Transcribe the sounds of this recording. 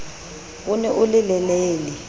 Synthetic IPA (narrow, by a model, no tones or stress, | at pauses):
k̬unɛʔulɪlɛleːli